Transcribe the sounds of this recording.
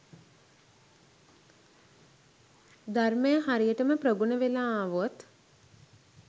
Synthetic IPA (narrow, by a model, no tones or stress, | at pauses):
d̪arməjəɦaɾijəʈəməpɾəɡunəʋelaːaʋot̪